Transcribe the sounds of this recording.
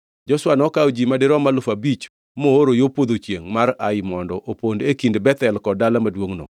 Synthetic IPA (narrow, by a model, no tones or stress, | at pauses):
d͡ʒɔswanɔkawd͡ʒimadɪɾɔmalʊfabit͡ʃ | mooɾojopod̪ot͡ʃjeŋmaɾaɪmɔndɔʔopondekindbɛt̪ɛlkɔdalamadwoŋno̰